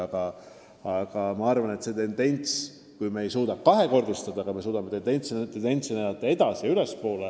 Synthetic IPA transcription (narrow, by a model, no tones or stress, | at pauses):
ɑɡ̥ɑ | ɑɡ̥ɑmɑɑrvɑne̞t̪se̞t̪e̞nd̪e̞nʲt̪s | kujmeːjsuːd̪ɑkɑɦe̞ko̞rd̪̥ist̪ɑd̪̥ɑɡɑme̞suːd̪̥ɑme̞t̪end̪enʲt̪sit̪end̪e̞nt̪sinelɑt̪ːˑɑe̞d̪ɑsiylespo̞ːle